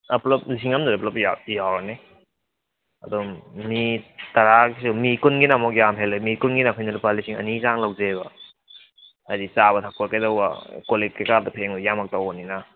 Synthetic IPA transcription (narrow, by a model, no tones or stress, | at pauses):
ɐplɔp̚lis̬iŋamduɾeplɔpjajawɾane | ɐ̰dɔmitaɾaɡisumikunɡinamɔk̬jamɦelɯmikunɡinakʰɔjnalupalisiŋɐ̰nizaŋlawzebɐ | ajdit͡ʃaβɐtʰak̚ɔɾkajdawba̰kolekajkaɾdɐpʰeŋujamak̚tawɔnina